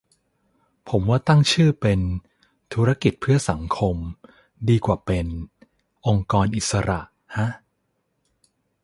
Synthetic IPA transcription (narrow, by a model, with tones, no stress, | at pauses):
pʰo˩˦mwaː˥˩t̪a˥˩ŋt͡ɕʰɯː˥˩pe˧n | t̪ʰuː˦ɾa˦˥ki˨˩t̪̚pʰɯ˥˩ɐsa˩˦ŋkʰo˧m | diː˧kwaː˨˩pe˧n | ʔo˧ŋkɔː˧nʔi˨˩t̪̚sa˧ɾa˨˩ʔ | ha˦˥ʔ